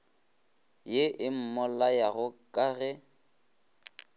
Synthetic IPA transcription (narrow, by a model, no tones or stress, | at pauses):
jeʔɪm̩mɔlajaɣʊkʼaɣɛ